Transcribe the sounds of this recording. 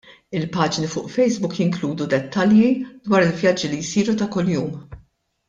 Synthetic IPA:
ɪlpɐːd͡ʒnifʊːʔfɛjzbʊkjɪŋkluːd̪ud̪ɛt̪ːɐljid̪̥wɐːɾɪlvjɐd͡ʒːilijsiːɾut̪ɐkʊljuːm

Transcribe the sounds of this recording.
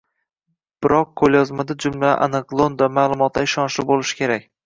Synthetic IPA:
b̥ɪɾɒqqʰːolˠjɒzmad̪ad͡ʒʊml̰ʔa̰nɨqlˠond̪amaːlˠʊmɒt̪laɪʃɒnʃlɪbolɪʃɪ̥kʲʰe̞ɾakʲ

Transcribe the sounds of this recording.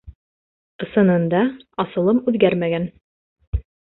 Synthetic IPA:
ɤ̆sɤ̆nɤ̆nd̪ɑɑsɤ̆lˠɤmʉðɡæɾmæɡæn

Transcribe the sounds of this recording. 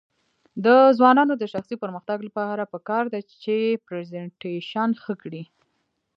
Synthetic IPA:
d̪əzwɑnɑnod̪əʃaxsipəɾməxt̪aɡlapɑɾapəkɑɾd̪at͡ʃepɾezeɳʈeʃɑnxəkɽi

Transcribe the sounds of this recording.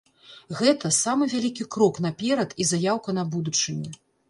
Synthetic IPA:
ɣɛt̪ɐsamɨvʲalʲikʲikɾɔkn̪ɐpʲɛɾɐt̪izajawkɐnabud̪ut͡ʂɨnʲi

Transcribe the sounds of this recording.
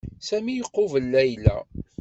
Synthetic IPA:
sæmijəqːovəlːæjlæ̰

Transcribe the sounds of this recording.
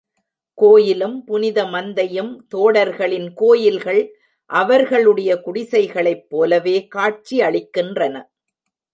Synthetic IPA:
koːjɪlɯmpʊnɪðɐmɐnd̪ɐjɯmt̪oːɽɐɾɣɐɭɪnkoːjɪlɣɐɭ | ʔɐʋɐɾɣɐɭɯɽɐjɐkʊɽɪsɐɪɣɐɭɐɪpːoːlɐʋeːkaːʈ̚t͡ʃiɐɭɪkːɪndrɐnɐ

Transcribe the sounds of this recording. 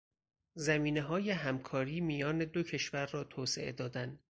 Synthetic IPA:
zæmiːneɦɒːjeɦæmkʰɒːɾiːmijɒːne̞d̪o̞cʰe̞ʃvæɾːɒːt̪ʰoːsḛʔḛd̪ɒːd̪æn

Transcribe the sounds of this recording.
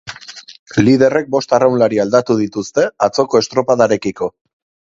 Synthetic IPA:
lið̞e̞re̞k̚bo̞st̪arawnlaɾiald̪at̪uð̞it̪ust̪e̞at͡so̞ko̞e̞st̪ɾo̞paðaɾe̞kiko̞

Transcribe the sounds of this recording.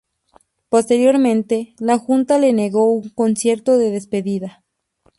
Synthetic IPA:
po̞st̪e̞ɾjo̞ɾmẽ̞nt̪e̞laxunt̪ale̞ne̞ɣo̞uŋko̞nsje̞ɾt̪o̞ðe̞ðe̞spe̞ðiða

